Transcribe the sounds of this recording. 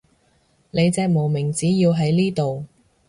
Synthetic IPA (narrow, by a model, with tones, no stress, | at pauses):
ne˨˧jt͡sɛː˧k̚mo˨˩wmɪ˨˩ŋt͡siː˨˥jiː˧wɦɐ˨˥jliː˥t̪o˨w